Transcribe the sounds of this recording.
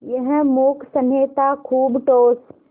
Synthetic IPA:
jɐɦmoːkʰsənɦeːt̪akʰuːbʈoːs

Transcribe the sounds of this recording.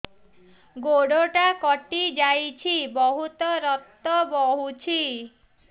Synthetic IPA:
ɡoɽoʈakɔʈid͡ʒajt͡ʃʰibɔɦut̪ɔɾɔt̪ːɔbɔɦut͡ʃʰi

